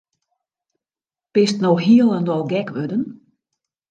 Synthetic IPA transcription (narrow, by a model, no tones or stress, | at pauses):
pɪstnoxɦiəlˠɛndɔlˠɡɛkʋødən